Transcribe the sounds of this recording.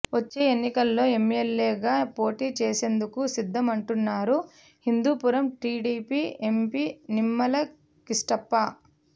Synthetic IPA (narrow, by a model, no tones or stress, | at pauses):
ʋɐt͡ʃːeːenːikɐlːo̞ːe̞meleːɡaːpo̞ːʈiːt͡ʃeːse̞ːnd̪ukusid̪ʱːɐmɐɳʈunːaːɾu | hind̪uːpuɾɐmʈiːɖiːpiːe̞mpiːnimːɐlɐ | kisʈɐpːɐ